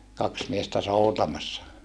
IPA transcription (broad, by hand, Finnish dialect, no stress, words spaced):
kɑks miestæ soutɑmɑsːɑ